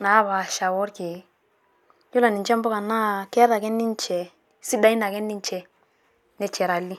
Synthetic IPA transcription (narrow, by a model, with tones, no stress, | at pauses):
na˨˦βa˨ʃa˨wo˦ɾki˨ | ju˦la˨ni˨ɲt͡ʃɛ˦mbo˦ka˨nːa˦ke˦ɾa˨kɛ˦nːi˦ɲt͡ʃɛ˨ | si˦da˦i˦na˨kɛ˦nːi˦ɲt͡ʃɛ˨ | ne˦t͡ʃɛ˨ɾa˨lːi˦